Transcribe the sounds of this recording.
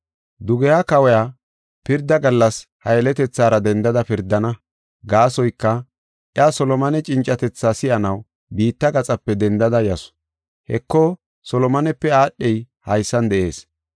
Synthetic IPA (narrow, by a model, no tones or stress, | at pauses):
d̪ʊɡɛjaːkɐwɛja | pɪɾd̪ːɐɡɐlːɐshɐjɛlɛt̪ɛt͡sːaːɾɐd̪ɛnd̪ɐd̪ɐpɪɾd̪ːɐnɐ | ɡaːsɔjkːɐ | ʔɪasɔlɔmɐnɛt͡ʃʼɪnt͡ʃʼːɐt̪ɛt͡sːaːsɪʔɐnɐw | biːt̪ːɐɡɐt͡sʼɐpːɛd̪ɛnd̪ɐd̪ɐjɐsɔ̥ | hɛkːɔ | sɔlɔmɐnɛpːɛaːɗːɛj | hɐjsːɐnd̪ɛʔe̞̰ːs